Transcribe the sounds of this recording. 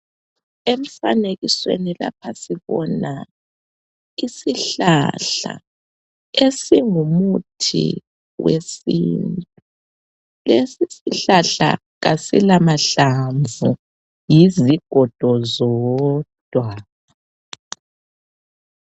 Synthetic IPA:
em̩faneɣiswḛnila̰pʰasiβɔna | isiɬa̰ɬa̰ | esiŋumutʰḭ | wḛsiːntʼu | lesisiɬaɬa̰ | ɣasilamaɬaɱvu | jiziɡ̥ʱɔd̥ʱɔzɔd̥ʱwa

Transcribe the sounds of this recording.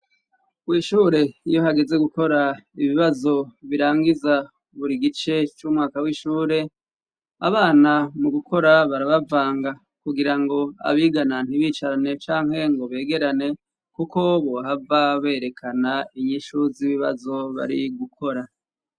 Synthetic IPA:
wiːʃuːɾe̞ijo̞ɦaɡe̞ze̞ɡuko̞ɾaiβiβazo̞βiɾaːŋɡiza | βuɾiɡit͡ʃe̞t͡ʃumŋaːkawiːʃuːɾe̞ | a̰βaːnamuɡukʰo̞ɾaβaɾaβavaːŋɡa | kuɡiɾaŋɡo̞a̰βiːɡananhiβiːt͡ʃaɾane̞t͡ʃaːŋhe̞ŋɡo̞βe̞ːɡe̞ɾane̞ | kuko̞βo̞ɦavaβe̞ːɾe̞kʰanaiɲiʃuziβiβa̰zo̞βa̰ɾiɡukʰo̞ɾa

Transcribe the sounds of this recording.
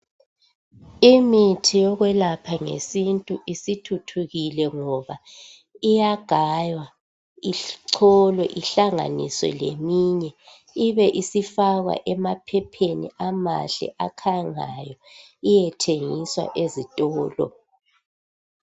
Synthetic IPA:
imitʰijɔɣwɛlapʰaŋḛsintʼuʔisitʰutʰuɣilɛŋɔβa | ijaɡ̥ʱajwa | iǀʰɔlwɛʔiɬaŋa̰nḭsɔ̰lḛmiɲɛ | iβɛʔisifaɣwa̰ʔɛmapʰɛpʰenḭama̰ɬɛ̰ʔakʰaŋa̰jɔ | ijɛtʰeŋiswa̰ʔezitʼɔːlɔ̰

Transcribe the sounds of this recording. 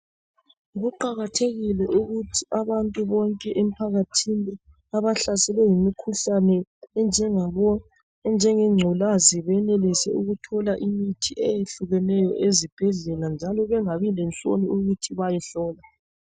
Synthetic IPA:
ɣuǃaɣatʰeɣilɛʔuɣutʰiʔaβantʼuβɔŋkʼɛʔem̩pʰaɣatʰini | aβaɬasɛlɛjimikʰuɬanɛnd͡ʒʱɛŋaβɔ | nd͡ʒʱɛŋɛŋ͡ǀʱɔlaziβɛnelisɛuɣutʰɔlaʔimitʰiʔɛjeɬuɣɛnɛjɔ̰ʔezib̥ʱɛɮɛland͡ʒʱalɔβɛŋaβilɛnt͡sʼo̰niuɣutʰiβajɛɬɔːla

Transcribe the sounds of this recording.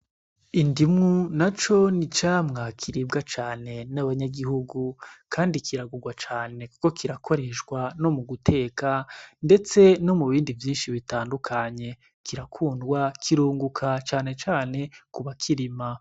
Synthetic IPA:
indimŋunat͡ʃo̞nit͡ʃaːmŋakʰiɾib̚ɡat͡ʃaːne̞naβaɲaɡihuɡukʰaːndikʰiɾaɡuɾɡwat͡ʃaːne̞kuko̞kiɾakʰo̞ɾe̞ʃɡwano̞muɡutʰe̞ːkande̞t͡se̞no̞muβiːndivjiːnʃiβitaːndukʰaɲe̞ | kʰiɾakʰuːndɡwakʰiɾuːŋɡukʰat͡ʃaːne̞t͡ʃaːne̞kuβakʰiɾima

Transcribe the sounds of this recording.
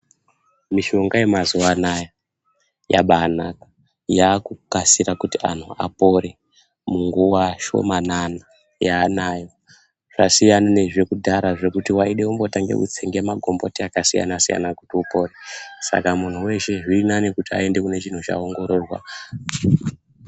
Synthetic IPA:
miʃo̞ŋɡaje̞mazuanaja | ja̰ɓaːnakḁ | jaːkukasiɾakutia̰n̤ua̰po̞ɾe | muŋɡuwaʃo̞̰manana | jaːnajo̞ | ʐ̥asijanane̞ʐe̞kudʱaɾaʐe̞kutiwaiɗe̞umbo̞taŋɡḛkṵt͡seŋɡe̞maɡʱo̞mbo̞̰tiakasija̰nasija̰nakutiupo̞resa̰kamun̤uwe̞ʃe̞ʐiːnanikutia̰e̞nde̞kune̞ʐin̤uʐa̰oŋɡo̞ɾo̞ːrwa̰

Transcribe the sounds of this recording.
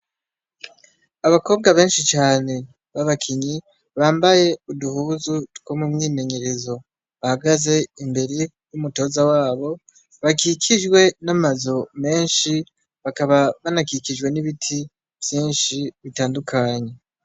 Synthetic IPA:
aβako̞ːb̚ɡaβe̞ːnʃit͡ʃaːne̞ | βaβakʰiɲi | βaːmbaje̞uduhuːzutɡomumŋiːme̞ɲe̞ɾe̞zo̞ | βahaɡaze̞imbe̞ɾe̞ | jumuto̞ːzawaːβo̞ | βakikʰid͡ʒɡwe̞namazo̞me̞ːnʃi | βakaβaβanakikid͡ʒɡwe̞niβitʰi | v̥jiːnʃiβitaːndukʰaːɲe̞

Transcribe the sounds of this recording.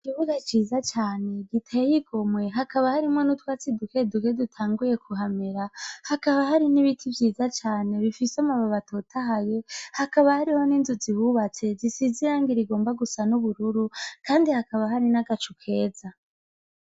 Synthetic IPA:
ikiβuɡat͡ʃiːzat͡ʃaːne̞ɡitʰejiɡomwe̞ɦakaβahaɾimŋwenutwaːt͡siduke̞dukedutʰaːŋɡuje̞kʰuɦameɾahakaβaɦaɾiniβitʰivjiːzat͡ʃaːne̞βifisamaβaβatʰotʰaɦaje̞hakaβahaɾiho̞niːnzuziβuβat͡se̞zisiziɾaːŋɡiɾiɡo̞ːmbaɡusanuβuɾuɾukaːndihakaβaɦaɾinaɡat͡ʃukʰe̞ːza

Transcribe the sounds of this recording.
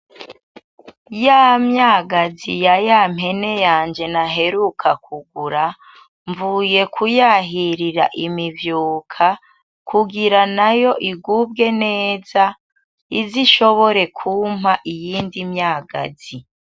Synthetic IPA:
jamɲaːɡazijajamhe̞ne̞jaːnd͡ʒe̞naɦe̞ɾukʰakʰuɡuɾa | ɱvuːje̞kʰujaɦiɾiɾa̰ʔimivjuːkʰa | kʰuɡiɾanajo̞ʔiɡub̚ɡe̞ne̞ːza | iziʃo̞βo̞ɾe̞kʰumhaʔijiːndimɲaːɡa̰zi

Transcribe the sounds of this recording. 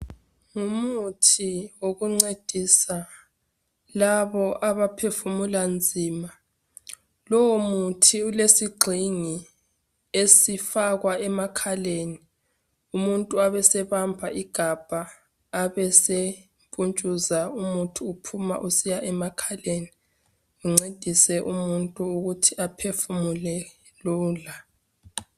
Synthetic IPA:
ŋumutʰiwoɣuŋ͡ǀed̥ʱisa | laβɔʔaβapʰefumuland͡zʱiːma | lɔwomutʰiulesiɡ͡ǀʱiŋi | esifaɣwaɛmakʰaleni | umuntʼuaβɛsɛβampʰaʔiɡ̥ʱab̥ʱaː | βɛse | pʼunt͡ʃʼuzaumutʰuːpʰuma̰ʔusijaʔɛmakʰaleni | uŋ͡ǀed̥ʱisɛʔumuntʼuuɣutʰiʔapʰefumulɛ | luːla

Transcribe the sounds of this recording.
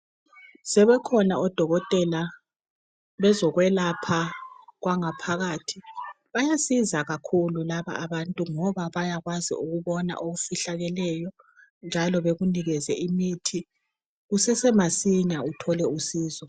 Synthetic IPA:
sɛβɛkʰɔnaɔd̥ʱɔɣɔtʼɛla | βɛzɔɣwɛlapʰaɣwaŋapʰaɣaːtʰi | βajasizaɣakʰululaβa̰ʔaβantʼuŋɔβaβajaɣwazḭuɣuβɔna̰ʔoɣufiɬaɣɛlɛjɔ | nd͡ʒʱalɔβeɣuniɣɛzɛʔimitʰi | ɣusɛsɛmasiɲautʰɔlɛusiːzɔ

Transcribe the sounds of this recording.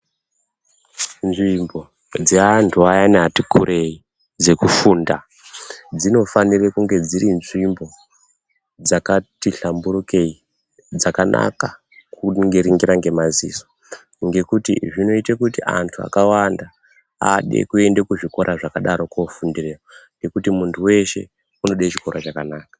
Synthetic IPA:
nʐimbo̞ | d͡zeantʰuajaneɦatikurʔe̞i | d͡ze̞kufuːnda | d͡zino̞fanirekuŋɡe̞d͡ziɾinʐimbo̞ | d͡zakatiɬamburukei | d͡zakanʔa̰ka | kuŋɡeɾiŋɡiɾaŋɡe̞maziːso̥ | ŋɡe̞kutḭʐino̞itakutiʔa̰ntʰua̰kawanda | a̰ɗḛkue̞ndekuʐiko̞ɾʔaʐakaɗaɾo̞kofundireːoŋɡe̞kutimuntʰuwe̞ʃe̞̰ | uno̞ɗait͡ʃiko̞rʔot͡ʃakanaːkḁ

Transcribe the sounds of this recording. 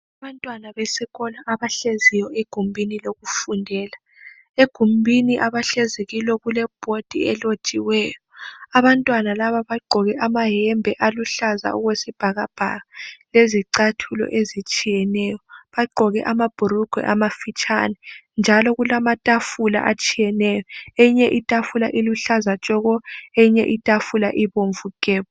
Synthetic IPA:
aβantʼwanaβesiɣɔnaʔaβaɬezijɔeɡ̥ʱumbʱiniloɣufundʱɛːla | eɡ̥ʱumbʱiniʔaβaɬezeɣilɔɣulɛb̥ʱod̥ʱḭɛlot͡ʃʼiwɛːjɔaβantʼwanalaβaβaɡ͡ǃʱɔɣɛʔamaɦɛmbʱɛʔaluɬaza̰uɣwesib̥ʱaɣab̥ʱa̰ɣaleziǀatʰulɔ̰ʔezit͡ʃʼijɛnɛjɔβaɡ͡ǃʱɔɣɛ̰ʔamab̥ʱuɾuɡ̥ʱwɛ̰ʔamafit͡ʃʼa̰nɛnd͡ʒʱalɔɣulamatʼafula̰ʔat͡ʃʼijɛnɛjɔejiɲɛʔitʼafulaʔiluɬazat͡ʃʼɔɣɔejiɲɛ̰ʔitʼafula̰ʔiβoɱvukʼɛːβɔ

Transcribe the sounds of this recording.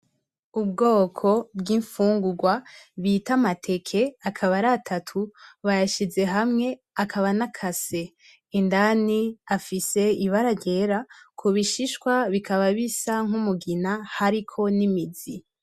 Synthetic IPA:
ub̚ɡo̞ːkʰo̞bɡiːɱfuːŋɡuɡwaβitamatʰe̞kʰe̞akʰaβaɾatʰatʰuβajaʃize̞ɦamŋe̞ | akʰaβanakʰase̞ː | ndaniafise̞iβaɾaɟe̞ɾakʰoβiʃiʃkwaβikʰaβaβisaŋ̥umuɡinahaɾikʰo̞nimizi

